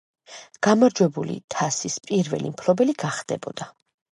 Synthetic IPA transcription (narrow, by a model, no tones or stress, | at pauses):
ɡ̥amaɾd͡ʒwɛbulḭt̪ʰasispʼiɾvɛ̰limpʰlɔbɛliɡ̥aχd̪̥ɛ̰bɔd̪a